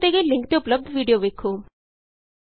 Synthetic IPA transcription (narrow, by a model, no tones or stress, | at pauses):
t̪eɡəlɪ̃ŋkt̪eʊpləb̚d̪ʋiːɖijoʋeːkʰːoː